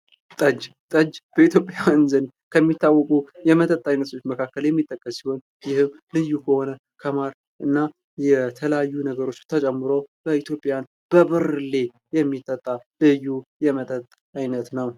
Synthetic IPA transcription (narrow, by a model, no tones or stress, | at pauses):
t̪ʼəd͡ʒ | t̪ʼəd͡ʒb̥əit̪ʰjo̞pʼjaɨnzɨn | kʰəmːit̪ʰːawːɔkʼujɛmət̪ʼət̪ʼːajnət̪ʰot͡ʃːməkʰakːəljɛmːit̪ʼːəkʼːəsːiho̞n | jɪhɨm | lɨjːukʰəho̞nə | kʰəmaɾ | ʔɨnːa | jɛt̪ʰələjajːunəɡəɾo̞t͡ʃːt̪ʰət͡ʃʼɛmːɨɾowb̥əit̪ʰjo̞pʼːjan | b̥əβɨɾle̞ | jɛmːit̪ʼːət̪ʼːalɨjːujɛmət̪ʼət̪ʼː | ajnət̪nəw